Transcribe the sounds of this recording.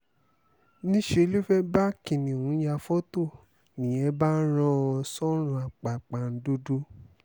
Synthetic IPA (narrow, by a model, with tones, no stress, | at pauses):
nĩ˦ʃe˧˦li˦fɛ˦ba˦kĩ˨nĩ˨wũ˨˦ja˧fo˦to˦˨ | nĩ˨ɛ̃˨˦ba˦ɾ̃ɔ̃˦˧ɔ˧sɔ˦ɾ̃ũ˧˦a˨k͡pa˨k͡pa˨n̩˦du˦du˦